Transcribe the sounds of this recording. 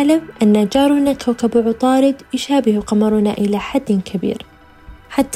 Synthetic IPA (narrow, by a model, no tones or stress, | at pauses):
lamʔanːad͡ʒɑːɾˤʊnakʰawkabʊʕʊt̪ˤɑːɾɪd̪jʃaːbɪhuqɑmɑɾˤʊna̰ʔɪlaħad̪ːɪkʰabḭːɾ | ħat̪ː